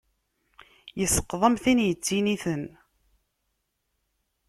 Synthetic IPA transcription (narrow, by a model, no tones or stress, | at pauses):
jəsːə̥qðˤəmθinjət͡sːiniθən